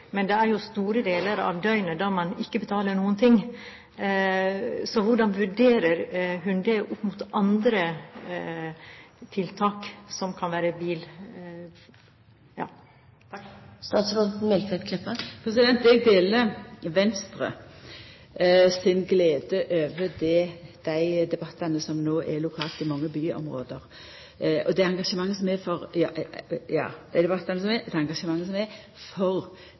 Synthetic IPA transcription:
mɛnd̪ɛæɾjʊst̪uːɾəd̪eːləɾɑ̰ʋd̪œʏnəd̪ɑmɑnɪkːəbət̪ʰɑːləɳuːənt̪ʰɪŋː | sɔʋʊɖɑnʋʉɖeːɾəɾɦʉnd̪ɛʔʊpːmʊt̪ɑnd̪ɾə | t̪ʰɪlt̪ʰɑːksɔmkʰɑnʋæːɾəbiːl | jɑ̰ː | st̪ɑːt̪sɾot̪n̩mɛlkʰʋɛt̪kʰlɛpːəpʰɾɛsɪd̪ɛnt̪ɛɡ̚d̪eːləʋɛnst̪ɾə̰ | sɪnɡleːd̪əʔøːʋəd̪ɛd̪̥æɪd̪ɛbɑt̪ːɑnəsɔmnoːʔɛlʊkʰɑːlt̪ɪmɑŋːəbyːɔ̰mʁo̰ːd̪əʁ | ɔd̪ɛɑŋɡɑʂəmɑŋːəsɔmɛfɔʁjɑːʔjɑ̰ːd̪æɪd̪ɛbɑt̪ːɑnəsɔmɛd̪ɛɑŋɡɑʂəmɑŋːəsɔmɛ | fɔɾ

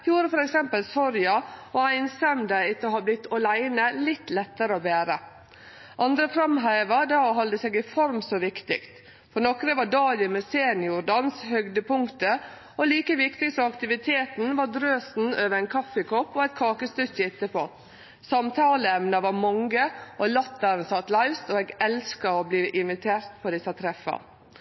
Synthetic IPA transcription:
juːɾəfɔɾɛksɛmpəlsɔɾjɑɔæɪnsɛmd̪əɪt̪ːəhɑblɪt̪ʰːɔlæɪnəlɪt̪ːlɛt̪ːəɾəoːbeːɾə | ʔɑnd̪ɾəfɾɑmɦæɪʋəɖɑɦɑld̪əseːɡɪfɔɾmsɔʋɪkt̪ɪ̰kt̪ | fɔɾnɔkɾəʋɑɖɑːlɪmɛseːnjʊɾɖɑnshœɡd̪əpʰʊŋkt̪ə | ɔliːkəʋɪkt̪ɪɡsɔɑkt̪ɪʋɪt̪ʰeːt̪n̩ʋɑɾd̪ɾøːsn̩øːʋəɾæɪnkʰɑfːəkʰɔpːɔæɪt̪̚kʰɑːkəst̪ʉçəɪt̪ːəpʰoː | sɑmt̪ʰɑːləɛmnɑʋɑɾmɔŋɡəʔɔlɑt̪ːɑɾnsɑt̪lɑɪst̪oːeːɡɛlskɑɔbliːʔɪnʋɪt̪ʰeːɾt̪pʰɔd̪ɪsɑt̪ʰɾɛfɑ̰

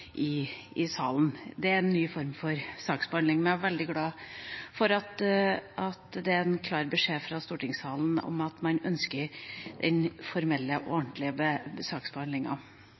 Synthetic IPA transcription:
ʔɪ | ɪsɑːlnd̪ɛæɾɛnːyːfɔɾmfɔɾsɑːksbəhɑnd̪ɪŋmɛnæʋɛld̪ɪɡlɑːfɔɾɑt̪ʔɑt̪d̪ɛæɾɛnkʰlɑːɾbəʂeːfɾɑst̪uːʈɪŋsɑːln̩ɔ̰mɑt̪mɑnœnskəɾd̪̥ɛnfɔɾmɛlːəʔɔ̰ɔnt̪lɪəbəbsɑːksbəhɑnd̪lɪŋɑ̰

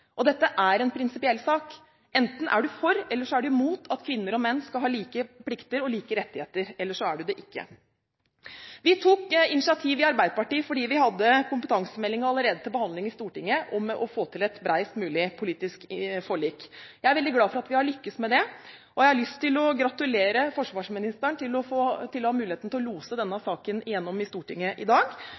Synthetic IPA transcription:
ʔɔd̪ɛt̪ːəʔæɾɛnpʰɾɪnsɪpɪɛlsɑːk | ɛnt̪n̩ʔæ̰ɖʉfɔɾɛlːəʂɔæɖʉmuːt̪ʰɑt̪kʰʋɪnːəɾɔmɛnːskɑlɦɑːliːkəpʰlɪkt̪əɾɔliːkəɾɛt̪ːɪheːt̪əɾɛlːəʂɔæɖʉd̪ɛʔɪkːə̰ | ʋɪt̪ʰuːkɪnɪsɪɑt̪ʰiːʋɪɑɾbæɪd̪əpɑʈiːfɔɖiːʋɪɦɑd̪ːəkʰʊmpət̪ʰɑŋsəmɛlːɪŋəɑlːəɾeːd̪ət̪ʰɪlbəhɑnd̪lɪŋɪst̪uːʈɪŋːəʔɔmʔɔfoːt̪ʰɪlɛt̪bɾæɪst̪mʉːlɪpʰʊliːt̪ɪskfɔɭiːkjæɪæɾʋɛld̪ɪɡlɑːfɔɾɑt̪ʋɪhɑɭʏkːəsmɛd̪ɛ | ʔɔjæɪhɑɾɭʏst̪ʰːɪlɔɡɾɑt̪ʉleːɾəfɔʂʋɑːʂmɪnɪst̪əɳt̪ʰɪlɔfot̪ʰɪlːɔhɑmʉːlɪeːt̪n̩t̪ɪlɔluːsəd̪ɛnːəsɑːkənɪjɛnːɔmɪst̪uːʈɪŋːəʔɪd̪ɑːɡ

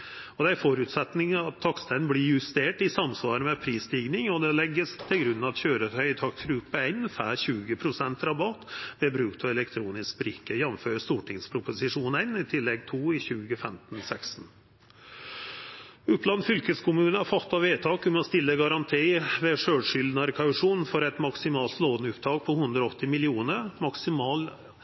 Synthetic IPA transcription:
ɔd̪ɛæfɔɾʉt̪sɛt̪nɪŋɑt̪ʰːɑkst̪ʰɛnblɪjʉst̪eːʈɪsɑmsʋɑːɾəmɛpʰɾiːst̪iːɡnɪŋɔd̪ɛlɛɡːəst̪ʰɪlɡɾʉnːɑt̪çøːɾət̪ʰœʏt̪ʰɑkt̪ʰɾʉːpəæɪnfæːçʉːɡəpʰɾʊsɛnt̪ɾɑbɑt̪ʋɛbɾʉːk̚pʰɔɛlɛkt̪ʰɾuːnɪsk̚bɾɪkːəjɛnmføːɾəst̪uːʈɪŋspʰɾʊpʊsɪʂuːnɛɪnɪt̪ʰɪlːɛɡ̚t̪ʰuːɪçʉːɡəfɛmt̪n̩sɛksn̩ | ʉplɑnfʏlkəskʰʊmʉːnəɑfɑt̪ːɑʋeːt̪ʰɑːkʉmɛɔst̪ɪlːəɡɑɾɑnt̪ʰiːʋɛʂøːɽʂʏld̪nɑɾkʰɑʉʂuːnfɔɾɛt̪mɑksɪmɑːlt̪loːnʉpd̪ɑːɡ̚pʰɔhʉnd̪ɾɔɔt̪ːɪmɪlɪuːnəɾmɑksɪmɑːl

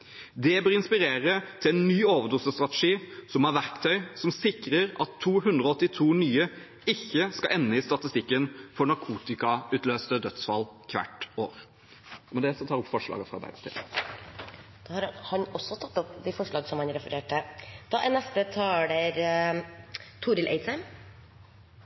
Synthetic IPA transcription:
d̪ɛbøːɾɪnspɪɾeːɾət̪ʰɪlɛnːyːoːʋəd̪usəst̪ɾɑt̪ɛʂiːsɔmæɾʋæɾkt̪ʰœʏsɔmsɪkɾəɾɑt̪ʰːuːɦʉnd̪ʁɔɔt̪ːɪt̪ʰuːnyːə | ɪçːəskɑʔɛnːəɪst̪ɑt̪ɪst̪ɪkːənfɔɳɑɾkʰuːt̪ɪkɑʉːt̪løːst̪əd̪œt̪sfɑlːkʰʋæ̰ʈːo̰ːɾ | ɔmɛd̪ɛsɔt̪ʰɑːɾɔpːfɔʂɭɑ̰ːɡəfʁɑ̰d̪æ̰st̪ʰḭ | d̪̥ohɑɾhɑnɔsɔt̪ʰɑt̪ːɔpd̪ɛfɔʂɭɑːɡsɔmhɑnɾɛfəɾeːʈəd̪̥ɑːʔænɛst̪ət̪ʰɑːɖeɾ | t̪ʰuːɾɪlʔḛɪt̪sæɪm

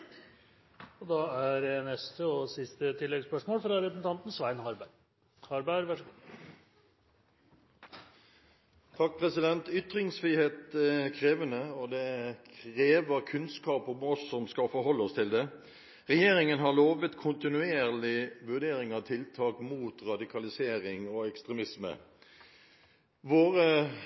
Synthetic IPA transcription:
ɔd̪ɑæɾnɛst̪əɔsɪst̪ət̪ʰɪlːɛɡspœʂmoːlfɾɑɾpɾɛsnt̪ʰɑnt̪n̩sʋæɪnhɑɾbæ | hɑɾbæɾʋæʂəɡu | t̪ʰɑk̚ːpʰʁɛsɪd̪ɛnt̪ʏt̪ɾɪŋsfɾiːheːt̪kʰʁeːʋənəɔd̪ɛkʰʁeːʋəʁkʰʉnskɑːpɔmɔsːɔmskɑfɔɾhɔlːəɔst̪ʰɪld̪ɛ | ʁɛjeːɾɪŋənɦɑʁloːʋət̪kʰʊnt̪ɪnʉeːʁlɪʋʉʁd̪eːɾɪŋɑt̪ʰɪlt̪ʰɑːkmuːt̪ʁɑd̪ɪkʰɑlɪseːʁɪŋoɛkst̪ʁɛmɪsmə̰ | ʋoːʁə

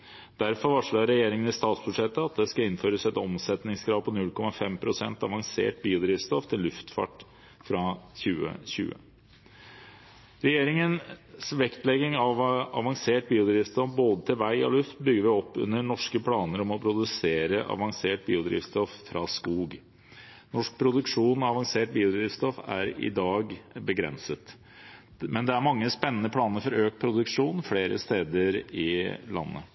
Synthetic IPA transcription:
d̪̥æɾfɔɾʋɑʂɭɑɾɛjeːɾɪŋənɪst̪ɑːt̪sbʉd̪ʂɛt̪ːəɑt̪̚d̪ɛskɑɪnføːɾəsɛt̪ɔmsɛt̪nɪŋskɾɑːʋpʰɔnʉlkʰɔmɑfɛmpʰɾʊsɛnt̪ɑʋɑŋsḛːʈbiːʊd̪ɾiːʋst̪ɔft̪ʰɪlːʉft̪fɑ̰ʈ | fɾɑçʉːə̰ɕʉ̰ːə̰ | ɾɛjeːɾɪŋənsʋɛkt̪lɛɡɪŋɑʋɑ̰ʋɑŋseːʈ̚biːʊd̪ɾiːʋst̪ɔfboːd̪ət̪ʰɪlʋæɪɔ̰lʉft̪̚bʏɡːəɾʋɪɔpːʉ̰nːəɳɔʂkəpʰlɑːnəɾɔmɔpʰɾʊd̪ʉseːɾəʔɑ̰ʋɑŋseːʈ̚biːʊd̪ɾḭːʋst̪ɔffɾʔɑ̰ːskuːɡ | nɔʂk̚pʰɾʊd̪ʉkʂuːnɔɑʋɑŋseːʈ̚biːʊd̪ɾiːʋst̪ɔfæ̰ɾɪ̰d̪ɑːɡbəɡɾɛ̰nsət̪ | mɛnd̪ɛæɾmɑŋːəspɛnːənəpʰlɑːnəɾfɔɾøːk̚pʰɾʊd̪ʉkʂuːnfleːɾʔə̰st̪eːd̪əɾɪlɑ̰nːə̰

